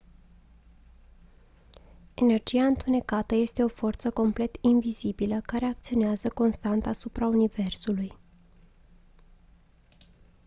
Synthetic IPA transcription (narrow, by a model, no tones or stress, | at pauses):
e̞ne̞rd͡ʒiaɨnt̪une̞kat̪əje̞st̪e̞o̞fo̞rt̪səko̞mple̞t̪invizibiləkaɾe̞ak̚t̪sio̞neazəko̞nst̪ant̪asupɾaunive̞rsuluj